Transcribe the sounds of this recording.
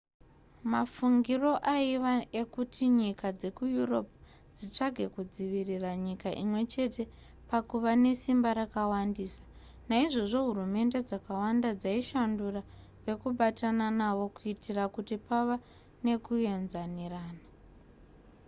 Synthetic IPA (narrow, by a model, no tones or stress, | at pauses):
mafuŋɡiro̞ʔaiʋaekutʰiɲikad͡ze̞kujuro̞p | d͡zit͡ʂaɡʱe̞kud͡ziʋiriraɲikaʔimwe̞t͡ʃe̞te̞ | pakuʋane̞simbaɾakawandiːsḁ | naiʐo̞ʐo̞ɦurume̞nde̞d͡zakawandad͡zaiʃandura | pe̞kuɓatananaʋo̞kuitirakutipaʋa | ne̞kue̞nzaniraːna